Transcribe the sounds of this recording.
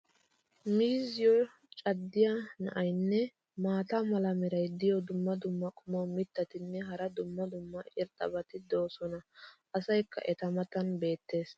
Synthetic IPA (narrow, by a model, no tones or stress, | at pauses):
miːzɪjɔ | t͡ʃʼɐd̪ːɪjanɐ̰ʔɐjnːɛ | maːt̪ɐmɐlɐmɛɾɐjd̪ɪjɔd̪ʊmːɐd̪ʊmːɐkʼʊmɔmɪt̪ːɐt̪ɪnːɛɦɐɾɐd̪ʊmːɐd̪ʊmːɐɪɾt̪ʼɐ̰bɐt̪ɪd̪oːsɔnɐ | ɐsɐjkːɐ̰ʔɛt̪ɐmɐt̪ɐnbe̞ːt̪ːe̞ːs